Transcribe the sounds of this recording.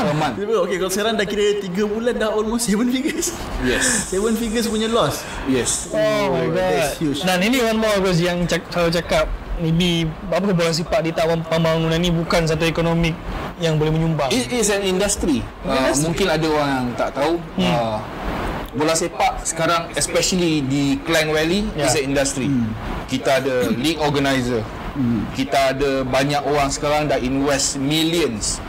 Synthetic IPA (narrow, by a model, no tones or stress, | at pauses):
əmãnit̪əpeokekalosəkaɾaŋdahkiɾət̪iɡəbulandahɔlmostsevənfiɡəs | jɛssevənfiɡəs̬puɲalɔs | jɛsomajɡɔst̚hjut͡ʃnaniniwanmakɔs̬jaŋt͡ʃasalat͡ʃakap̚nibi | ap̬akabolas̬epaʔdit̪awapəmbaŋunanibukans̬at̪̬uekonomik̚jaŋbolɛhmə̃ɲumbaiisɛnindast̪ɾi | əmũŋkɪnadaoɾaŋjaŋt̪aʔt̪au | bolasepaʔsə̥kaɾaŋɛspɛʃəlidiklɛŋwɛlijis̬ɛnindast̪ɾikit̪aːdalikɔɡanajzə | kit̪aːdabaɲakoɾaŋsə̥kaɾaŋdaʔinwɛsmiliəns